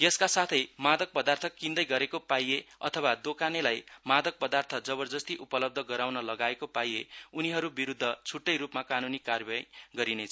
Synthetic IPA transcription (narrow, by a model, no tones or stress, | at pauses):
jʌskasat̪ʰʌjmad̪ʌk̚pʌd̪art̪ʰʌkind̪ʌjɡʌɾekopajeʌ̰t̪ʰʌwad̪okanelajmad̪ʌk̚pʌd̪art̪ʰʌd͡zʌβʌrd͡zʌst̪iʔupʌlʌb̚d̪ʱʌɡʌɾawnʌlʌɡaekopajeuniɦʌɾubiɾud̪ʱːʌt͡sʰuʈːʌjɾupmakanunikarbajɡʌɾinet͡sʰʌ